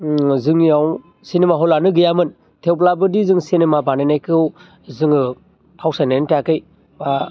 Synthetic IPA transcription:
zɯŋijaw | sinemaɦɔlanɯɡɯjamɯn | tʰewplabɯdizɯŋsinemabananajkɯw | zɯŋɯ | awsajnantakɯj | ba

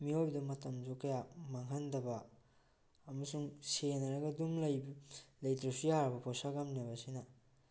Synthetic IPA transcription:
miojdɐmɐtɐmzukɐjamaŋɦɐndɐbɐː | mɐsuŋsenɐɾɐɡɐduŋlɐjblɐjtɾɐsujaɾɐbɐpʰosaɡamnebɐsinɐ

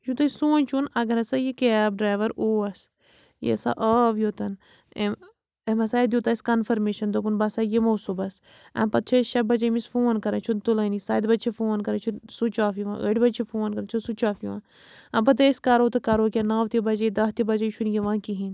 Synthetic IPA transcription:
ʃut̪ɐsuːnʲt͡ʃʰunɐɡɐɾɐsajikeb̚ɖɾaːʋɐɾoːɐs | jḛsa̰ʔaːʋjoːt̪ɐn | emɐsaːd̪ʲjuːt̪ɐskɐnfɐɾmeːʃɐnd̪opunbɐsajemɐwsubɐs | ɐ̰̃mpɐt̪̚t͡ʃʰɐʃɐbɐd͡ʒɐmisfoːnkɐɾɐ̃t͡ʃʰunt̪ulɐnisaːjd̪bɐt͡ʃʰifoːnkɐɾɐt͡ʃʰunsut͡ʃaːfiʋã̰ːə̰ʈbɐt͡ʃʰifoːnkɐɾɐt͡ʃʰusut͡ʃaːfiʋã̰ː | ɐ̃mp̬ɐt̪̬ɐskɐɾoːt̪ɐkɐɾoːkʲɐnaːʋt̪ibɐd͡ʒɐjd̪ɐɦt̪ibɐd͡ʒɐt͡ʃʰunjiʋãːkiɦin

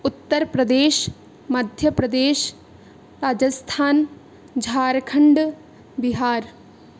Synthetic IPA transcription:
ʊt̪ːəɾpɾɐd̪eːʃ | mɐd̪ʱjəpɾɐd̪eːʃ | ɾaːd͡ʒəst̪ʰaːn | d͡ʒʱaːɾkʰəɳɖ | bɪɦaːɾ

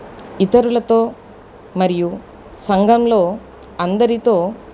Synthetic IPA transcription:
it̪ɐɾulɐt̪oː | mɐɾiju | sɐŋɡʱɐmlo̞ː | ɐnd̪ɐɾit̪oː

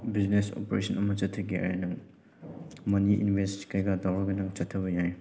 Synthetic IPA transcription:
bid͡ʒneso̰poɾḛsʰɐnɐmɐt͡ʃɐtʰɐɡeɐ̰ɾenɐŋ | mɐniḭnbʱestkʰɐjɡɐdawɾɐɡɐnɐŋt͡ʃɐtʰːɐbɐjaj

